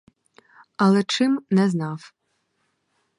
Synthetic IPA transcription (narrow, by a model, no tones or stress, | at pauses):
ɐlˠɛt͡ʂɪmnɛznɑw